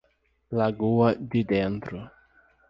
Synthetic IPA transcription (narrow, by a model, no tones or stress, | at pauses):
laɡuɐd̪ɪd̪ẽnt̪ɾʊ